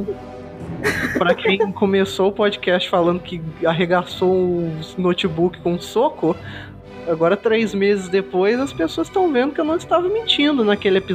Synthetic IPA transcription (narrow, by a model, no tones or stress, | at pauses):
pɾɐkʰẽj̃kõmesoʊpɔd͡ʒikɛst͡ʃɪ̥falɐ̃nd̪ʊkɪaɦeɡasoʊnot͡ʃibukɪ̥kõʊ̃sokʊ | aɡɔɾɐt̪ɾejzmezɪzd̪epojzɐspesoɐsst̪ɐ̃w̃vẽnd̪ʊkewnɐ̃w̃ɪst̪avɐmĩt͡ʃĩnd̪ʊnɐkelɪepiz